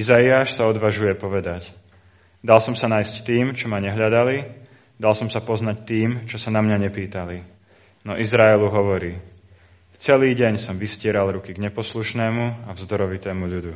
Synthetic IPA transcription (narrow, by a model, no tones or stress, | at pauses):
izaiaːʃsaɔd̪ʋaʒujɛpɔʋɛd̪ac | d̪alsɔmsanaːjsct̪iːmt͡ʃɔmaɲɛɦʎad̪ali | d̪alsɔmsapɔznact̪iːmt͡ʃɔsanamɲaɲɛpiːt̪ali | nɔʔizɾaɛluɦɔʋɔɾiː | t͡sɛliːɟɛɲsɔmʋiscɪɛɾalɾukiɡɲɛpɔsluʃnɛːmuavzd̪ɔɾɔʋit̪ɛːmuʎud̪u